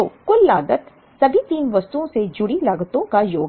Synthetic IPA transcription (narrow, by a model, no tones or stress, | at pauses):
okʊlːaːd̪ət̪ | sɐbʱit̪iːnʋɐst̪uõsed͡ʒʊɽilaɡt̪õkajoːɡ